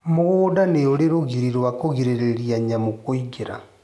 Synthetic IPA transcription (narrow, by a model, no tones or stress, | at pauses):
moɣoːdaneoɾeɾoɣiɾiɾwakoɣiɾeɾeɾiaɲamokoiɡeɾa̰